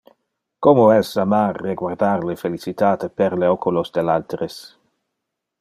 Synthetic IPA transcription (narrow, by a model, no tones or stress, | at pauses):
komoɛsamarːeɡward̪aɾlefelit͡sit̪aːt̪epeɾleokulosd̪elalt̪ɾes